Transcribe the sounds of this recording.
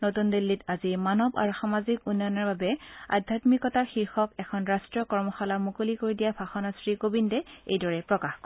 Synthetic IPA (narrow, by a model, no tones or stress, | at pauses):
notundilːitazimanɔba̰ɹuxamazikunːɔjnɔɹbabɛa̰dʱatmikɔtaɹxiɹxɔkɛkʰɔnɹastɹiɔkɔɹmɔxalamukolikoɹidijabʱaxɔnasɹikobindɛḛjdɔɹɛpɹɔkaxkɔ